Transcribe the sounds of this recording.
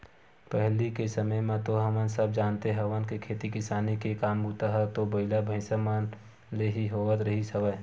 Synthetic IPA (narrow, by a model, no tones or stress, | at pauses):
pɛɦlikesəməjmẽt̪oɦɐmənsəb̚d͡ʒaːnt̪eɦɛʋənkekʰeːt̪ikɪsaːnikekaːmbuːt̪aɦɛt̪obɐɪlabʱɐ̃ɪsəman | leɦiɦoːɡət̪ɾəɦisɐʋə